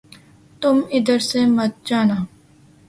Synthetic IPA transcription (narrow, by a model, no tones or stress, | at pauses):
t̪ʊmɪd̪əɾsemɐt̪̚d͡ʒaːnaː